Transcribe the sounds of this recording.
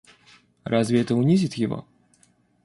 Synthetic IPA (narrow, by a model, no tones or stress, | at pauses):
rʔazvʲɪɛt̪əʊnʲizʲɪt̪jɪvo̰